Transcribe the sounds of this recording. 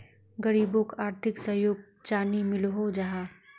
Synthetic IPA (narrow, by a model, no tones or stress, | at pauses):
ɡɐɾiːbõkaːɾt̪ʰɪksɐjoːɡ̚ | t͡ʃaːnimɪlɦod͡ʒaɦaː